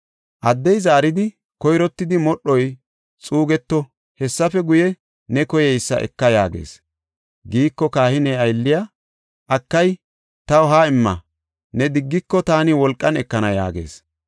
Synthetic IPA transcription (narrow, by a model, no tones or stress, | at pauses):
ʔɐd̪ːɛjzaːɾɪd̪ɪ | kɔjɾɔt̪ːɪd̪ɪmɔɗɔj | t͡sʼuːɡɛt̪ːɔ | hɛsːɐfɛɡʊjɛ | nɛkɔjɛjsːɐ̰ʔɛ̰kːɐja̰ːɡe̞̰ːs | ɡiːkːɔkaːhɪnɛɐjlːɪja | ʔɐkːɐj | t̪ɐwɦaːɪmːɐ̰ | nɛd̪ɪɡːɪkːɔt̪aːnɪwɔlkʼːɐnɛkːɐnɐja̰ːɡe̞̰ːs